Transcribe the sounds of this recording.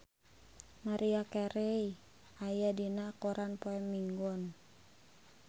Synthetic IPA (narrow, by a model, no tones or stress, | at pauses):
maɾʔiakɛɾɛi | ajadinakɔɾanpoɛmːiŋɡɔn